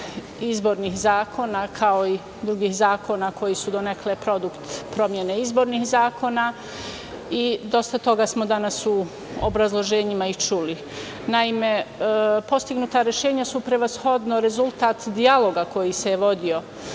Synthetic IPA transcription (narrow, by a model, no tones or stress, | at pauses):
izbo̞ɾniːxzaːkʰo̞nakʰao̞i | d̪ɾuɡihzaːkʰo̞nako̞jisud̪o̞neklepɾo̞d̪ukt̪pɾomje̞neizbo̞ɾnihzaːkʰo̞na | id̪o̞st̪at̪o̞ɡasmo̞d̪anasu | o̰bɾazlˠo̞ʒe̞ːɲimait͡ʃuli | naime̞po̞st̪iɡnut̪aɾe̞ʃe̞ːɲasupɾe̞ʋasxo̞d̪noɾe̞zulˠt̪aːt̪d̪ialˠo̞ɡako̞jisejeʋo̞d̪io̞